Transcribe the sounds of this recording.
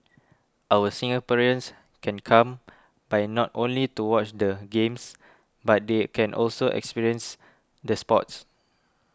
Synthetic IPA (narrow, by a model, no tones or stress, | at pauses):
ʔawəsĩŋəpɛɹiə̃ns | kɛ̃nkʰãm | bajnɔtõ̰nlituwɔt͡ʃdəɡẽms | bat̚dekʰɛ̃nʔɔ̰lsoʔɛ̰kspiɹiə̃ns | dəspɔt̚s